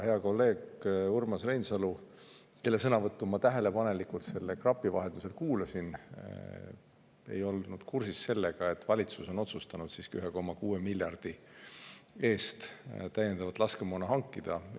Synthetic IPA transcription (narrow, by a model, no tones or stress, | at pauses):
he̞ɑko̞lːe̞ːɡurmɑsrejnsɑlu | ke̞lːes̬ɤnɑvɤt̪ːˑumɑt̪æɦe̞le̞pɑne̞likult̪se̞lːekrɑpːˑivɑɦe̞nd̪use̞lkuːlɑsin | e̞̰jo̞lnud̪̥kursisːe̞lːe̞ɡ̥ɑe̞t̪ːˑvɑlʲit̪suso̞no̞t̪sust̪ɑnud̪̥siːskiyɦe̞ko̞mːɑkuːe̞milʲːjɑrd̪̥i | e̞ːst̪t̪æjːe̞nd̪̥ɑvɑt̪ːˑlɑskemoːnɑɦɑŋkːˑid̪̥ɑ